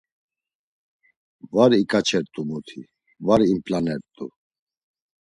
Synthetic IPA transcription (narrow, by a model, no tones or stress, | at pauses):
vaɾikʼat͡ʃʰɛɾt̪ʼumut̪ʰi | vaɾimpʼlanɛɾt̪ʼu